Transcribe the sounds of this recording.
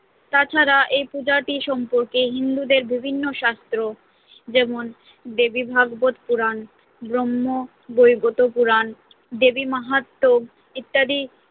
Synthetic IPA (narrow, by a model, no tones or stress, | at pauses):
t̪at͡ɕʰaɾaʔejpud͡ʑaʈiʃɔmpoɾkeɦind̪ud̪eɾbibʱinːoʃast̪ɾo | d͡ʑɛmon | d̪ebibʱaɡbot̪puɾan | bɾomːo | bojɡot̪opuɾan | d̪ebimaɦat̪ːoɡ | it̪ːad̪i